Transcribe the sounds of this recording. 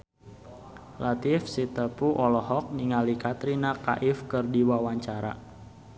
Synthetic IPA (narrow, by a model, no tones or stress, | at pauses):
lʔat̪ɪfsit̪əpuʔɔlɔɦɔk̚niŋalikat̪ɾinaka̰ʔɪfkɨrdiwawaɲt͡ʃaɾa̰